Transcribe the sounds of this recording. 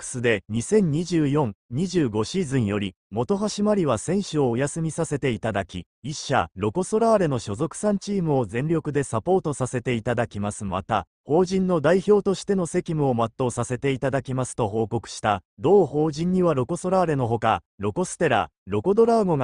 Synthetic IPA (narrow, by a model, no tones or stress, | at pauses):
kɯ̥sɨd̪e̞ɲ̟isẽ̞ɲ̟ɲ̟iʑɨːjõ̞ŋɲ̟iʑɨːɡo̞ɕizɨ̃ɰ̃jo̞ɾʲi | mo̞t̪o̞ɦaɕimaɾʲiβasẽ̞ɰ̃ɕɨo̞ːjasɨmʲisase̞t̪e̞it̪ad̪akʲḭ | iɕːa̰ɾo̞ko̞so̞ɾaɾe̞no̞ɕo̞zo̞kɯ̥sãɲ̟t͡ɕiːmɯo̞zẽ̞nɾʲo̞kɯ̟d̪e̞sapo̞ːt̪o̞sase̞t̪e̞it̪ad̪akʲimasɨma̰t̪a | ho̞ːʑĩnːo̞d̪aiço̞ːt̪o̞ɕi̥t̪e̞no̞se̞kʲimɯ̟o̞mat̪ːo̞ːsase̞t̪e̞it̪ad̪akʲimasɨ̥t̪o̞ɦo̞ːko̞kɯ̟̥ɕi̥t̪ad̪o̞ːho̞ːʑĩɲ̟ːiβaɾo̞ko̞so̞ɾaːɾe̞no̞ɦo̞ka | ɾo̞ko̞sɨ̥t̪e̞ɾa̰ | ɾo̞ko̞d̪o̞ɾaɡo̞ŋa